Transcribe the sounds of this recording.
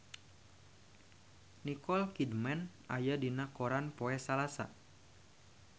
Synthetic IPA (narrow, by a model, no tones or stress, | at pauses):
nikɔlkidmɛn | ajadinakoɾanpoɛsalasa̰